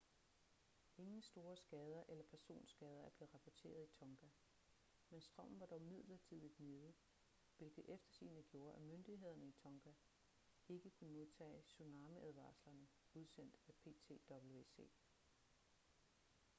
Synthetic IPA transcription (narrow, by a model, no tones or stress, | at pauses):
ʔe̝ŋn̩sd̥o̝ːɐsɡ̥ɛːð̞ˠɐʔelɐpʰæɐso̝̰ːnsɡ̥ɛːð̞ˠɐæɐb̥e̝ð̩ˠʁɑ̈pʰɒt͡sʰe̝̰ːɐð̞ˠit͡sʰɒ̽ŋɡ̥æ | mensd̥ʁɶm̰n̩ʋɑ̈d̥ɒʊmið̞̰ˠlɐt͡sʰið̞̰ˠid̥ne̝ːðˠə | ʋe̝lɡ̥ð̩ˠefd̥ɐsḭːnəɡ̥jo̝ːɐʔæmønd̥iɦe̝ð̞̰ˠɐnəit͡sʰɒ̽ŋɡ̥æ | e̝ɡ̥əkʰunəmo̝ðˠt͡sʰɛ̰ːsunɑ̈ːməʔæðˠʋɑ̰̈ːslɐnə | uð̞ˠsen̰d̥æpʰe̝̰t͡sʰe̝̰ːd̥ɒ̽b̥l̩e̝se̝̰ː